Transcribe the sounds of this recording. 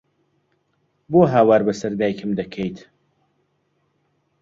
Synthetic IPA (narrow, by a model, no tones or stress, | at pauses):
boɦaːwaːɾbɐsɐɾd̪aːjkʰɨmd̪ɐkʰejt̪ʰ